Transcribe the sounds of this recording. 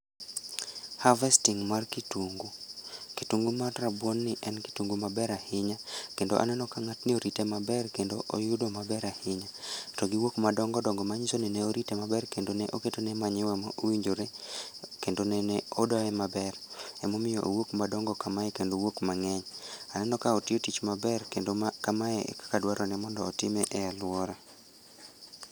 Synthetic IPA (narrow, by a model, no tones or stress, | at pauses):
havɛstiŋmarkituŋɡukituŋɡumarrabwonːɪʔɛnki̥tuŋɡumabɛɾahɪɲakendo̰ʔa̰nɛnɔkaŋatnɪoɾitemabɛrkendoʔojʊdomabɛɾahɪɲatoɡiwokmadɔŋɡɔdɔŋɡɔmaɲisonɛneoɾitemabɛrkendoneʔoketonemaɲɛwɛmɔowiɲd͡ʒoɾe | kendonɛnɛodɔɛmabɛrɛmomɪjɔʔowokmadɔŋɡɔkamaɛkendowokmaŋɛɲanɛnɔkaotɪotit͡ʃmabɛreokamaɛɛ̰kḁkadwaɾɔnɛmɔndɔːtɪmɛʔɛalwɔɾa